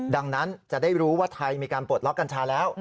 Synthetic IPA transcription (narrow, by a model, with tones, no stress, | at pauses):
da˧ŋna˦˥nt͡ɕa˨˩daː˥˩jɾuː˦˥waː˥˩t̪ʰa˧jmiː˧kaː˧npu˨˩t̪̚lɔ˦˥k̚a˧nt͡ɕʰaː˧lɛː˦˥w